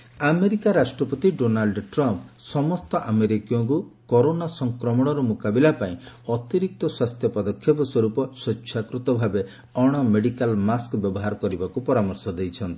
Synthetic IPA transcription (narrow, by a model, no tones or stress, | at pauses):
ameɾikaɾasʈɾɔpɔt̪iɖonalɖʈɾɔmpsɔmɔst̪ɔʔameɾikijɔŋkukɔɾonasɔŋkɾɔmɔɽ̃ɔɾɔmukabilapaĩ | ɔt̪iɾik̚t̪ɔswast̪ʰjɔpɔd̪ɔkʰːjɔpɔswɔɾupɔsɔʃʰakɾut̪ɔbʱabe | ɔɽ̃ɔmeɽikalmaskbjɔbɔɦaɾɔkɔɾibakupɔɾamɔɾsɔd̪ejt͡ʃʰɔnt̪i